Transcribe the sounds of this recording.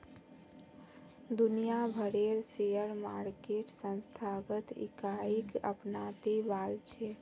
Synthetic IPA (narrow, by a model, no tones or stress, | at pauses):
d̪unijabʱəɾeɾsejəɾmaɾkeʈsə̃nst̪ʰaɡət̪ḭkaikə̰pnat̪ebalt͡ʃʰe